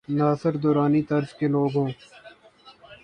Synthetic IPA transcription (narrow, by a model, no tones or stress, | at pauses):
naːsɪɾd̪oːɾaːnit̪ɐɾzkeloːɡɦõː